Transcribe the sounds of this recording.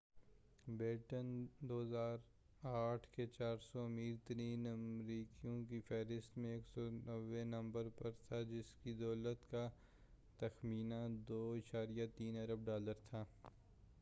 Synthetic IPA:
bɪːʈənd̪oːɦzaːɾ | aːʈʰket͡ʃaːɾsɔɐmiːɾt̪ɐɾiːnɐmɾiːkijõk̬ifɛːɾɪst̪mẽeːksɔnɐʋːenɐ̃mbəɾpɐɾt̪ʰad͡ʒɪskid̪ɔːlət̪ka | t̪ɐxmiːnad̪oːɪʃaːɾijat̪iːnɐɾəb̚ɖaːləɾt̪ʰaː

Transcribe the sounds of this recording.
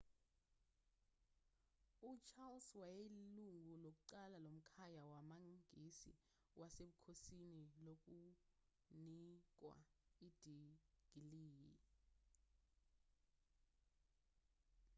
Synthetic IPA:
ut͡ʃʰalswajeluŋʱulok̬uǃalalom̩kʰajawamaŋɡʱisḭ | wʔaseɓukʰosinilok̬ʼu | nik̬ʼwa̰id̥ʱiɡ̥ʱiliːjɛ

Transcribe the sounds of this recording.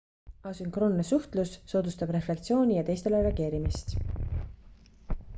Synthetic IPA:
ɑsyŋkro̞nːesuht̪lusːo̞ːd̪ust̪ɑb̥re̞fle̞k̚t̪sio̞ːnʲijɑt̪e̞jst̪e̞lereɑɡ̥e̞ːɾimist̪

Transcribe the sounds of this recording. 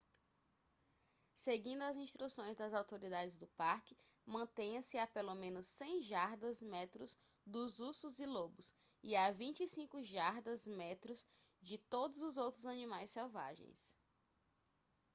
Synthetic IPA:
seɡĩnd̪ʊɐzĩʃst̪ɾusõj̃zd̪ɐzawt̪oɾid̪ad͡ʒɪzd̪ʊpaɾkɪ | mɐ̃t̪ẽj̃ɐ̃sɪapelomẽnʊsːẽj̃ʒaɾd̪ɐzmɛt̪ɾʊz | d̪ʊzusʊzilobʊs | iavĩt͡ʃisĩkʊʒaɾd̪ɐzmɛt̪ɾʊz | d͡ʒɪt̪od̪ʊzʊzowt̪ɾʊzɐnĩmajsːɛwva̰ʒḛ̃j̃s

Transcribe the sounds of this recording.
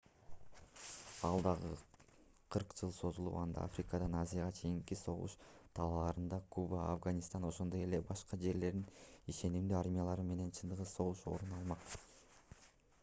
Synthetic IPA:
ɑlˠd̪ɑʁɯ | qʰɯɾqd͡ʒɯlˠso̞zulˠṵpɑnd̪ɑ̰ʔa̰frʲikad̪ɑnazijaʁɑt͡ʃʰe̞jiŋkiso̞ʁṵʃt̪ʰɑlˠɑlˠɑɾɯnd̪ɑkʰubəafɡanʲist̪ɑno̞ʃo̞nd̪o̞je̞le̞bɑʃqɑd͡ʒe̞ɾle̞ɾd̪iniʃe̞nimd̪yaɾmʲijalˠɑɾɯme̞ne̞nt͡ʃʰɯnd̪ɯʁɯso̞ʁuʃo̞̰ɾunɑlˠmɑq

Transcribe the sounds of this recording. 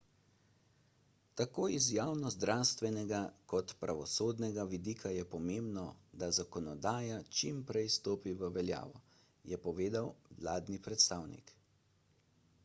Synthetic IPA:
t̪akoːizjaːwnɔzd̪ɾʔaːwst̪ʋɛnɛɡakɔt̪pɾʔaʋɔsoːd̪nɛɡaʋid̪iːkʰajɛpɔmeːmbnɔd̪azakɔnɔd̪aːjat͡ʃimpɾɛjst̪oːpiʋəʋɛlja̰ːʋɔ | jɛpɔʋeːd̪awlaːd̪nipɾɛt̪st̪aːwnḭk

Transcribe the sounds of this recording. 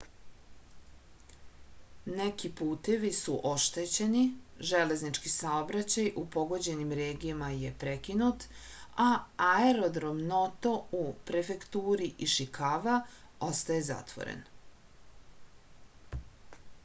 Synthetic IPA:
nekipuːt̪e̞ʋisuʔo̞ʃt̪et͡ɕe̞niʒele̞znit͡ʃkisaobɾat͡ɕajupo̞ɡo̞d͡ʑe̞nimɾeːɡijamaje̞pɾekinut̪aaeɾo̞d̪ɾo̞mnot̪o̞upɾe̞fe̞kt̪uːɾiʔiʃikaʋa | o̞st̪aje̞za̰t̪ʋo̰ɾḛn

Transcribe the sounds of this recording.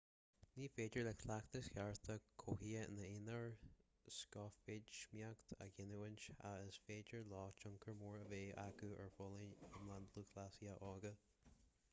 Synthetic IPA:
niːfeːd͡ʒəɹlɛkʰlakt̪əshaɹt̪ʰəkʰohiənəɪnəɹ | skɔfɪd͡ʒmjakt̪ʰa̰ɡɪnuwənt͡ʃa̰əsfeːd͡ʒəɹlɔːt͡ʃʊŋkʰəɹmuːɹəveːʔakuɛ̰ɹfɔləəmlanluːkʰlasiəʔɔːɡə

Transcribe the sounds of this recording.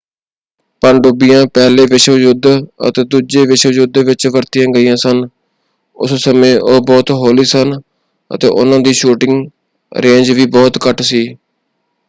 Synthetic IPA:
pəɳɖʊbɪjãːpɛːleːʋɪʃʋəd͡ʒʊd̪ə̰t̪eːd̪uːd͡ʒeːʋɪʃʋəd͡ʒʊd̪ʋɪt͡ʃʋəɾt̪ɪjãːɡəiːjãːsən | ʊ̰ssəmẽːʔoːbɔːt̪ɦoːliːsən | ə̰t̪ḛːʔʊ̰nãːd̪iːʃuːʈɪŋɡ | ɾẽːɲd͡ʒʋiːbɔːt̪kəʈʰsiː

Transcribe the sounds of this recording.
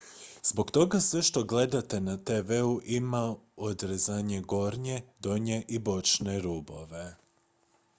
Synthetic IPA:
zbo̞ɡt̪o̞ɡasʋeʃt̪o̞ɡle̞d̪at̪e̞nat̪eʋeuʔimaod̪ɾezaːɲe̞ɡo̞ɾɲe̞d̪o̞ɲe̞ʔibo̞t͡ʃne̞ɾubo̞ʋe̞

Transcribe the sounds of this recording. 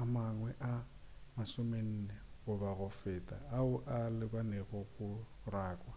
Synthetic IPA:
amaŋwɛʔa | masʊmen̩ːneɣʊbaɣʊfɛːtʼa̰ːʊʔalɪbanɛɣɔkʊ | raːkʼwa

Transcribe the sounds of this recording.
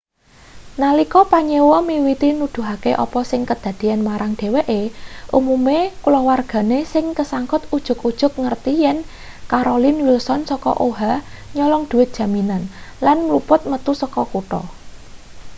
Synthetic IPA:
nalikɔpaɲewɔmiwit̪inud̪̥ṳɦakeʔɔ̰pɔsɪŋkəd̪̥ä̤d̪̥i̤anmaɾʔaŋɖ̥e̤weʔeʔumumekulɔwarɡ̥a̤nesɪŋkəsaŋkʊt̪ud̥ʒ̥ʊ̤kud̥ʒ̥ʊ̤k̚ŋərt̪ijɛn | kaɾolɪnwilsɔnsɔkɔ̰ʔoɦaɲɔlɔŋd̪̥ṳwɪt̪̚ʒ̥a̤minanlanmlupʊt̪̚mət̪usɔkɔkuʈɔ̰

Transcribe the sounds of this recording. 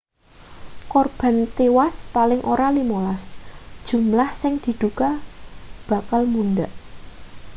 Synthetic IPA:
kɔrb̥ä̤nt̪ewaspalɪŋʔoɾalimolasd̥ʒ̥ṳmlahsɪŋd̪̥i̤d̪̥uka | b̥a̤kalmund̪aʔ

